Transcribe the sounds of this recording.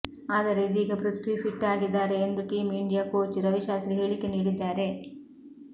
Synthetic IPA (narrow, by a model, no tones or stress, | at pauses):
aːd̪ɐɾeid̪iːɡɐbɾut̪ːʋipʰiʈːaːɡid̪ːaːɾe̞ːnd̪uʈiːmiɳɖijaːkoːt͡ʃɾɐʋiʃaːsɾiɦe̞ːɭikːe̞niːɽid̪ːaːɾe̞